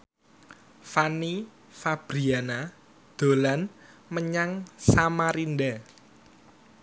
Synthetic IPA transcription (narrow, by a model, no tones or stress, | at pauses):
fani | fab̥ɾiana | d̪̥o̤lan | məɲaŋsamaɾind̪a